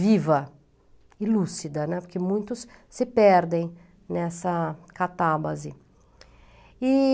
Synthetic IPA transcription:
vivɐ | ilusid̪ɐnɛpoɾkɪmũj̃t̪ʊssɪpɛɾd̪ẽj̃ | nɛsɐkat̪abɐzɪ | ɪ

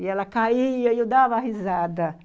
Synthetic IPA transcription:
iɛlɐkaiɐiod̪avɐaɦizad̪ɐ

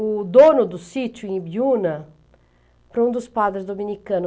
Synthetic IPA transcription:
ʊd̪onʊd̪ʊsit͡ʃ̪uẽbiunɐ | pɾɐũd̪ʊspad̪ɾɪzd̪ominikɐ̃nʊ

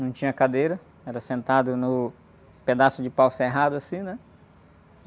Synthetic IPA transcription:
nɐ̃w̃t͡ʃĩɲɐkad̪ejɾɐ | ɛɾɐsẽnt̪ad̪ʊnʊ | ped̪asʊd͡ʒɪpawseɦad̪ʊasĩnɛ

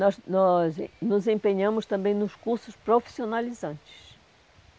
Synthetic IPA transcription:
nɔznɔz̰nʊzẽmpeɲɐ̃mʊst̪ɐ̃mbẽj̃nʊʃkuɾsʊspɾofi̥sionalizɐ̃nt͡ʃɪ̥ʃ

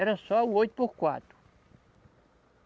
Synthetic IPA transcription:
ɛɾɐ̃sɔawojt̪u̥pohkwa̰t̪ɾu̥

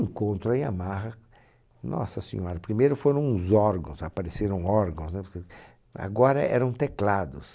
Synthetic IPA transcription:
ẽŋkõnt̪ɾʊaĩa̰maɦɐ | nɔ̰sɐsḭ̃ɲɔɾɐpɾimejɾʊfoɾɐ̃w̃ʊzɔɾɡɐ̰̃szapaɾeseɾɐ̃w̃ɔɾɡɐ̃w̃snɛpɾke | a̰ɡɔɾɐɛ̰ɾɐ̃w̃t̪eklad̪ʊs

